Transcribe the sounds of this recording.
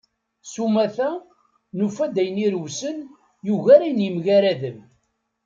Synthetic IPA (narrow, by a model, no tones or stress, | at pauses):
sumæθæ | nufæd̪æjəniɾwsən | juʝæɾajnjəmʝæɾæðəm